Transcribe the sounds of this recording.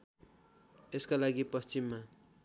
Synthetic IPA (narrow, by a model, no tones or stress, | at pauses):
eskalaɡipʌst͡ʃimːa